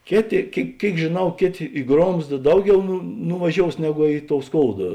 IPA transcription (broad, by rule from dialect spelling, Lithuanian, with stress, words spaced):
ˈkʲeːˌtʲeː kʲeːɪ ˈkʲeːɪk ʒʲeːˈnɐʊ ˈkʲeːˌtʲeː ɪ ˈɡroːmzdɐ ˈdɐʊˌɡʲɛʊ nʊ nʊʋɐˈʒʲoːʊs ˈnʲæːɡʊ ɪ toːʊ ˈskoːʊdɐ